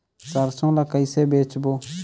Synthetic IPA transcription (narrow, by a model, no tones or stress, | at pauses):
sɐɾsõːlakəɪseːbeːt͡ʃboː